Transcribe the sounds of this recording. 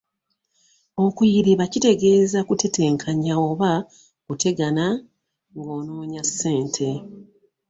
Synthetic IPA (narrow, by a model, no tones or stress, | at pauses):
o̞kujiɾiβacite̞ɡe̞ːzakutʰe̞te̞ːŋkʰaɲao̞ːβa | kutʰe̞ɡana | ŋɡo̞ːnoːɲasːe̞ːntʰe̞